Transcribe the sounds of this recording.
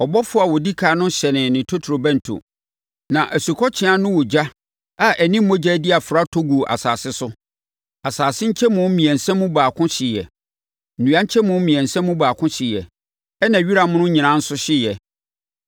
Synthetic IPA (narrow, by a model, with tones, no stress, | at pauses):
ɔ˨bɔ˦fʊ˦a˨wɔ˨di˦kʰaː˨˦nʊ̃˦ɕɛ˨nɪ̃˨nɪ̃˨tʰo˦tʰɾo˨bɛ̃˦n̩˨tʰo̰˨ | nã˨ʔæ˨su˨kʰɔ˦t͡ɕʰɪ˦a˦nʊ̃˦wɔ˨d͡ʑa˦ | a˨ʔæ˨nĩ˦m̩˦mo˦d͡ʑæ˦dɪ˦a˨fʊ˨ɾa˦tʰo˦ɡu˨ʔa̰˨saː˨sɪ˦sʊ˦ | a˨saː˨sɪ̃˦ɲ̩˦t͡ɕʰɛ˦mʊ̃˦mĩ˨ɛ̃˨nsɛ̃˦mʊ̃˦baː˨kʰʊ̃˦ɕɪ˨jɛ̰˨ | n̩˨ũ˨˦ã˦ɲ̩˦t͡ɕʰɛ˦mʊ̃˦m̩˦mĩ˨ɛ̃˨nsɛ̃˦mːʊ̃˦baː˨kʰʊ̃˦ɕɪ˨jɛ̰˨ | ɛ˦nã˨ɥi˦ɾa˨mʊ̃˦nʊ̃˦ɲĩ˨nã˦n̩˦sʊ˦ɕɪ˦jɛ˨